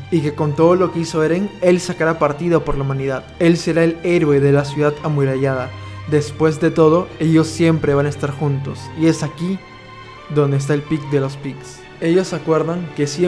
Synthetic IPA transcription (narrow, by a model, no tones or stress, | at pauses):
ike̞ko̞nt̪o̞ð̞o̞lo̞ke̞iso̞eɾeŋe̞lsakaɾapaɾt̪iðo̞po̞ɾlaumãniðaðe̞lse̞ɾae̞le̞ɾwe̞ðe̞lasjuðaðamuɾaʝaðad̪e̞spwe̞zðe̞t̪o̞ð̞o̞e̞ʝo̞sːje̞mpɾe̞β̞anaest̪aɾxunt̪o̞sie̞saki | ðo̞nd̪es̬t̪ae̞lpik̚d̪e̞lo̞spiks | e̞ʝo̞sakwe̞ɾðaŋke̞sje